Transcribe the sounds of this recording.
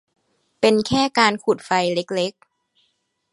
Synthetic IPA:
pe˧nkʰɛː˥˩kaː˧nkʰu˨˩t̪̚fa˧jle˦˥k̚le˦˥k̚

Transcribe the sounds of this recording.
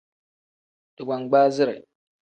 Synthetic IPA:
d̥ɨ˨ɡʷa˨ŋɡ͡baː˦zɨ˦ɾa̰˨

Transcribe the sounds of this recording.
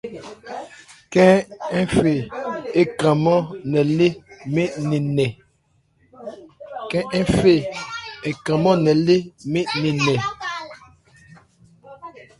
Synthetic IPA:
kɛ̃˦ɛ˦fe˨e˦kã˨mɔ˦nɛ˨le˦me˦ni˨nɛ˨ | kɛ̃˦ʔɛ˦fe˦˨e˨kã˨mɔ˦nɛ˨le˦me˦ni˨nɛ˨

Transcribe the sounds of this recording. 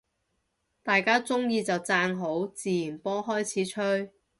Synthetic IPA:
t̪aː˨jkaː˥t͡sʊ˥ŋjiː˧t͡sɐ˨wt͡saː˧nɦo˨˥wt͡siː˨jiː˨˩npɔː˥ɦɔː˥jt͡sʰiː˨˥t͡ʃʰɵ˥ɥ

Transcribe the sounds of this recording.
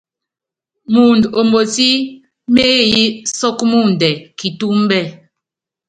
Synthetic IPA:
mu˨ndo˨mo˨si˦ | me˦˨ji˦sɔ˦kmu˦˨n˨dɛ˨ki˨tu˦m˦bɛ˦˨

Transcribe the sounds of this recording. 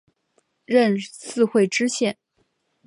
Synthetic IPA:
ɻə˥˧nsɹ̩˥˧xwe˥˩ɪʈ͡ʂɻ̩˥ɕjɛ˥˩n

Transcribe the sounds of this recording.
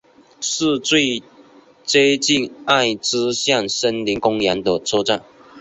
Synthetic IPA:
ʂ̩˥˧t͡swe˥˧ɪ | t͡se˥ɪt͡ɕi˥˧na˥˩ɪʈ͡ʂɻ̩˥ɕja˥˨ŋʂə˥nli˨˥ŋkʊ˥ŋja˧˥nd̪ə˨t͡sʰo˥ʈ͡ʂa˥˩n

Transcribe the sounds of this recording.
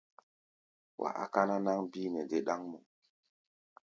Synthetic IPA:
wʔa̰˨ʔa̰˨ka˦na˦na˦ŋbiː˦nɛ˨de˨ɗa˦ŋmɔ˨

